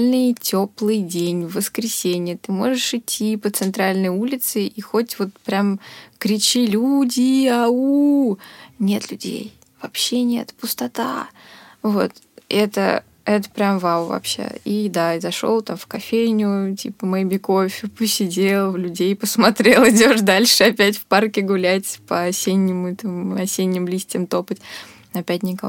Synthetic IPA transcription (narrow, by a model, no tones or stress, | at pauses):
lʲnɨjtʲʰo̞plˠɨjdʲenʲvəskɾʲɪsʲenʲɪjət̪ɨmo̞ʐɨʂɨtʲʰːipət̪sɨnt̪ɾalʲnəjulʲɪt̪sɨixo̞tʲvo̞t̪pɾʲamkɾʲɪt͡ɕilʲudʲɪau | nʲe̞t̪lʲʉdʲḛj | v̥ɐpɕːenʲe̞̰t̪pʊst̪ɐt̪a̰ | vo̞̰t̪ | ʔɛt̪ə̰ | ɛt̪ə̥pɾʲamvawvɐ̰pɕːḛid̪aɪzɐʂo̞̰lˠt̪amfkɐfʲejnʲʊtʲipəmɐjbʲɪko̞fʲɪpəsʲɪdʲelˠvlʲʉdʲejpəsmɐt̪ɾʲe̞lˠɪdʲo̞ʐd̪alʲʂɨɐpʲæt̬ʲfparkʲɪɡʊlʲætʲpəɐsʲenʲːɪmʊɛt̪əmɐsʲenʲːɪmlʲisʲtʲɪmt̪o̞pətʲ | ɐpʲæt̚ʲnʲɪkɐ